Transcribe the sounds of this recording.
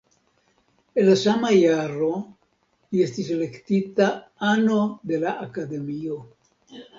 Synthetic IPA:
e̞lasamajaɾo̞ | lie̞stisele̞ktitaano̞de̞laʔakade̞mio̞

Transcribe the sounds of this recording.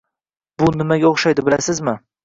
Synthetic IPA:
bʊnɪmaɡʲaoχʃajd̪ɪbɪlasɪzmɪ

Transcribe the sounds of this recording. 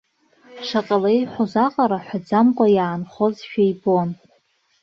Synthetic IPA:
ʂaqʼalejħʷozaqʼaɾaħʷᶣad͡zamkʷʼajaːnχozʃᶣajbon

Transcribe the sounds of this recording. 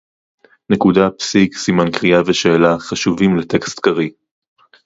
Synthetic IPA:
nekudapsiksimankʁiaveʃeːlaχaʃuvimlete̞kst̪kaʁi

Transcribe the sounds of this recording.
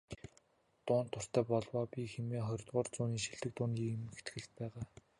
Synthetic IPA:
t̪ʊːnt̪ʰːʊr̥t̪æːpɔɮwɔːpʲixemeːχɔɾʲt̪ʁʊːrt͡sʊːniːʃiɮt̪ɘ̆k̚t̪ʊːniːemxet̪ɡɘ̆ɮt̪̚pæːʁaː

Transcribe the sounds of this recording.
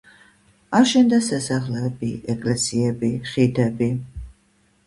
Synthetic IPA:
aɾʃɛnd̪asasaχlɛbiɛkʼlɛsiɛbiχid̪ɛbi

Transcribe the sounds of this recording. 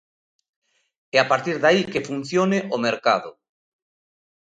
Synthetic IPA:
ɛapaɾt̪iɾðaikefun̟θjoneʔomeɾkaðʊ̰

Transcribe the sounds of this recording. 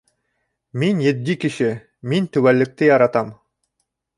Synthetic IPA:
minjɘ̆t̪̚d̪ʲikɘ̆ʃɘ | mint̪ɵ̆wælːɘ̆k̚t̪ɘjɑɾɑt̪ɑm

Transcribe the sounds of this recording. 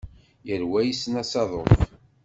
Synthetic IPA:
jəɾwæjisnæsɑðˤoθ

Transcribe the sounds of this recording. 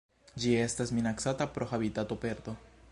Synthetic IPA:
d͡ʒiest̪asminaksat̪apɾoxaβit̪at̪opeɾt̪o

